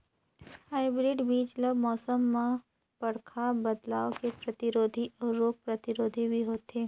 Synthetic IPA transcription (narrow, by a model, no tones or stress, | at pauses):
haːɪbɾɪɖbiːd͡ʒləbmɔːsəmːã | pɐɽkʰabɐd̪laːokepɾɐt̪ɪɾoːd̪ʱiʔɔːɾːoːk̚pɾɐt̪ɪɾoːd̪ʱibʱiɦoːt̪eː